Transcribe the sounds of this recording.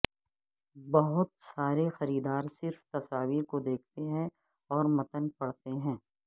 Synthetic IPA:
bɐɦʊt̪saːɾexɐɾiːd̪aːɾsɪɾft̪ɐsaːʋiːɾkod̪eːk̚ʰt̪eɦɛ̃ | ɔːɾmɐt̪ənpɐɽt̪eɦɛ̃ː

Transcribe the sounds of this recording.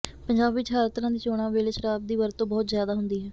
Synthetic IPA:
pəɲd͡ʒaːbɪt͡ʃɦaːɾət̪ɾãːd̪iːt͡ʃoːɽ̃ãːʋeːleːʃəɾaːb̚d̪iːʋəɾt̪ːõːbɔːt̪zjaːd̪aːɦʊnd̪iːɦɛː

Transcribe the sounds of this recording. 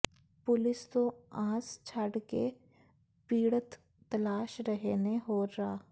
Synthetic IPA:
pʊlɪst̪õãːst͡ʃʰəɽkḛ | piːɽət̪ː | ɐlaːʃɾəɦeneɦoːɾaː

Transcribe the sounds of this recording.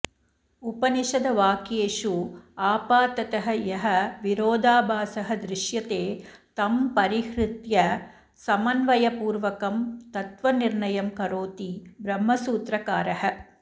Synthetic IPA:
upɐniʃɐd̪ɐʋaːkjeːʂuaːpaːt̪ɐt̪ɐɦɐ̆jɐɦɐʋiɾoːd̪aːbʱaːsɐɦɐd̪ɾɪʃjɐt̪eːt̪ɐmpɐɾihɾɪt̪jɐ | sɐmɐnʋɐjɐpuːɾʋɐkɐmt̪ɐt̪ʋɐniɾɳɐjɐmkɐɾoːt̪ibɾɐmːɐsuːt̪ɾɐkaːɾɐɦɐ̆

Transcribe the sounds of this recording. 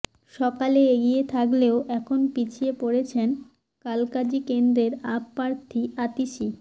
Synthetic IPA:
ʃɔkaleeɡiet̪ʰakleoʔɛkʰonpit͡ɕʰiepoɽet͡ɕʰen | kalkad͡ʑikend̪ɾeɾapːaɾt̪ʰiat̪iʃi

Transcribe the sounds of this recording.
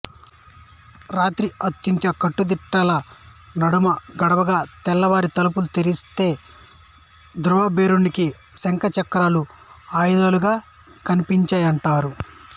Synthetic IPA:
ɾaːt̪ɾiɐt̪ːjunt̪ɐkɐʈːud̪iʈːaːlɐ | nɐɽumɐɡɐɽɐʋɐɡaːt̪ɛlːɐʋaːɾit̪ɐlup̬ulut̪eɾist̪e̞ː | d̪ɾuʋɐbeːɾuniki | sɐŋkɐt͡ʃɐkɾaːluaːjd̪aːluɡaː | kɐnipiɲt͡ʃɐːjɐɳʈaːɾu

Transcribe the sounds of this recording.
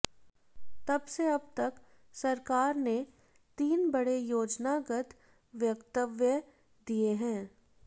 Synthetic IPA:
t̪ɐbseɐb̚t̪ɐk | sɐɾkaːɾne | t̪iːnbɐɽejoːd͡ʒnaɡət̪ | ʋjɐkt̪əʋjə | d̪ieɦɛ̃ː

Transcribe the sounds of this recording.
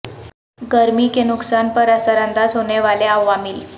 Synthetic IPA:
ɡəɾmiːkenuksanpəɾasaɾand̪ad͡zɦoɳeʋaleaʋːamiːl

